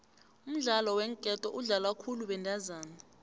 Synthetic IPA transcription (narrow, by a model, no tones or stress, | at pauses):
um̩ɮalɔwɛŋkʼɛtʼɔʔuɮalwakʰuluɓɛndʱazaːna